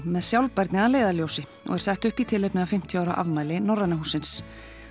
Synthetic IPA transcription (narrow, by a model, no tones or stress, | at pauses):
mɛðsjawlpɛɾt̪nɪaleːjðaljowsɪ | ɔ̰ɣɛɾ̥sɛht̪ʏhpit̪ʰɪlejpnɪafɪm̥t̪ʰjʏaːwɾaʔa̰vmaːjlɪnɔɾanaɦuːsːɪns